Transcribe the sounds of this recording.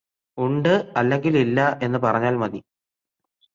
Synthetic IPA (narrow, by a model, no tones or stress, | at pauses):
uɳɖɨɐlːe̞ŋɡililːɐʔe̞nːɨpɐrɐɲːaːlmɐði